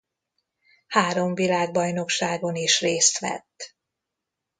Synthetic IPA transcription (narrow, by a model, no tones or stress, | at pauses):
haːɾo̞ɱvilaːɡ̚bɒjno̞kʃaːɡo̞niʃreːst̪ʋɛ̰t̪ː